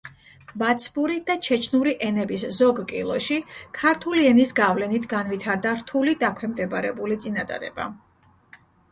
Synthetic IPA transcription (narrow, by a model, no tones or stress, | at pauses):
vat̪sʰbuɾid̪̥at͡ʃʰɛt͡ʃʰnuɾiʔɛnɛbiszɔɡkʼḭlˠɔ̰ʃikʰaɾt̪ʰuliɛnisɡavlɛnit̪ʰɡanvit̪ʰaɾd̪aɾt̪ʰulid̪akʰwɛmd̪ɛbɾɛbulit̪sʼinad̪a̰d̪ɛ̰ba̰